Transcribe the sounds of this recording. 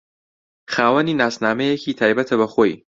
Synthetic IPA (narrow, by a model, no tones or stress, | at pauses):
xaːwɐniːnaːsnaːmɛjekʰiːt̪ʰaːjbɐt̪ʰɐbɐxoj